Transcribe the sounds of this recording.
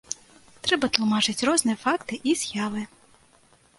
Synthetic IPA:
t̪ɾɛbɐt̪lˠumɑt͡ʂɪt͡sʲrɔznɨjɛfɑkt̪ɪʔiz̥ʲjaʋɪ

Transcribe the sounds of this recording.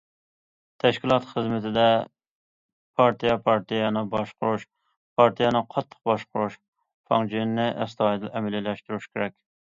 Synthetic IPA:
t̪ʰɛʃkʲilˠɑt̪χəzmɪt̪ʰɪd̪ɛ | pʰɑɾt̪ijɛpʰɑɾt̪ʰijɑnɨbɑʃqʊɾuʃ | pʰɑɾt̪ʰijɑnɨqʰɑt̪ʰːə̥q̚bɑʃqʊɾuʃ | fʰɑŋd͡ʒinnɪʔɛ̰st̪ɑd̪lʔɛmɛlɪlɛʃt̪uɾyʃkʲeɾɛkʲ

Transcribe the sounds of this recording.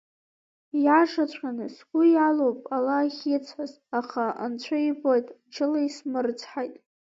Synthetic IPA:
jaʂat͡ɕʷʰanɨsɡʷʊjalowpʼalaχʲɪt͡sʷʰaz | aχaa̰nt͡ɕʷʰaibojtʼat͡ʃʰɨlaismɨrt͡sʰħajtʼ

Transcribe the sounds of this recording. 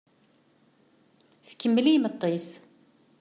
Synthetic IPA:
θkəmːlimət̪ˤːis

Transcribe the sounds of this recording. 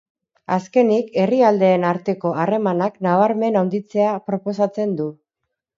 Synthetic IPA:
aske̞nike̞riald̪e̞ːnaɾt̪e̞ko̞are̞manaknaβ̞aɾme̞nawnd̪it͡se̞apɾo̞po̞sat͡se̞nd̪u

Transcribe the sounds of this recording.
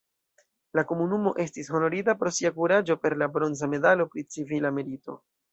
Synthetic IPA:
lako̞munumo̞ʔe̞stisxo̞no̞ɾidapɾo̞siakuɾad͡ʒo̞pe̞ɾlabɾo̞nzame̞dalo̞pɾit͡sivilameɾito̞̰

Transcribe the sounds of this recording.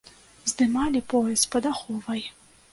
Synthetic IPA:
zd̪ɨmalʲipɔjɛspɐd̪axɔvɐj

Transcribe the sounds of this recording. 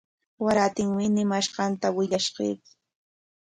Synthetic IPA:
waɾaːt̪ɪŋmɪnɪmaʃɢɑnt̪awɪʎaʃɢḛːk

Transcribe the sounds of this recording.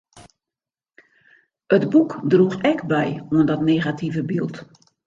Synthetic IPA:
ətbukdruxɛkbɛjwəndɔtneːɣatʰivəbilˠt

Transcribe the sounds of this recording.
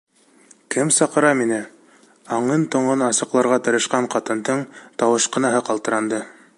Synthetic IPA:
kɘmsɑqɤ̆ɾɑminɘ | ɑɴɤnt̪ŏɴɤnɑsɤ̆qlˠɑɾʁɑt̪ɤ̆ɾɤ̆ʃqɑɴqɑt̪ɤ̆nd̪ɤɴt̪ɑwɤ̆ʃqɤ̆nɑɦɤqɑlˠt̪ɤ̆ɾɑnd̪ɤ

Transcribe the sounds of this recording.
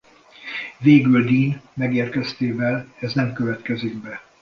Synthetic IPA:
veːɡyld̪iːnmɛɡeːrkɛst̪eːvɛlɛznɛmkøvɛt̪kɛziɡ̚bɛ

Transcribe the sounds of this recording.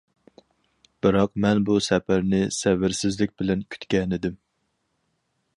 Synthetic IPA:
b̥ɨɾɑqmɛnbusɛpæɾnɪsɛvɪɾsɪzlɪk̚ʲbɪlɛnkʲʰy̥t̪kʲɛnɪd̪ɪm

